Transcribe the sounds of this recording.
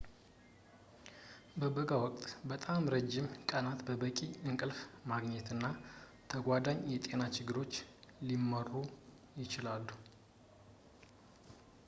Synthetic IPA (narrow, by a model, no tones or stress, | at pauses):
bəbəɡawɔkʼt̪ʼbət̪ʼamɾəd͡ʒːɪmkʼənat̪bəbəkʼiɨŋkʼɨlfmaɡɲɛt̪ɨnːa | t̪ʰəɡʷad̪aɲjɛt̪ʼe̞nat͡ʃɪɡːɨɾo̞t͡ʃːlimːərːu | jɪt͡ʃɪlalːu